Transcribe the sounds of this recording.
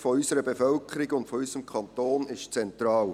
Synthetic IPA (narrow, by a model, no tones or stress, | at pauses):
fɔysəɾəbefœlkʰəɾɪɡʊndfɔysəmkʰɑnt̪oːnɪʃt͡sɛntɾɑːl